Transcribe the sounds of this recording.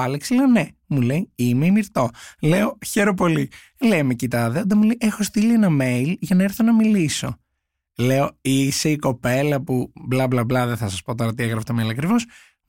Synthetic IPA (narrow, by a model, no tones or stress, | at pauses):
ɐleksileone | muleiimeimiɾt̪o̞leo̞çe̞ɾop̬o̞li | lejmecit̪ɐðeot̪emulejʔexo̞st̪ilienɐme̞ilʝɐnɐeɾθo̞nɐmiliso̞ | le̞oiseiko̞pe̞lɐpublɐblɐblɐðeθɐsɐspo̞t̪o̞ɾɐt̪ieɣɾɐft̪omeilɐkɾivo̞s